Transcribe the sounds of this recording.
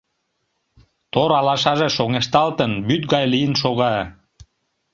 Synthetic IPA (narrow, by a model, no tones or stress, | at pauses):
t̪oɾɑlɑʃɑʒeʃoŋeʃt̪ɑlt̪ənbyt̪̚ɡɑjlijənʃoɣɑ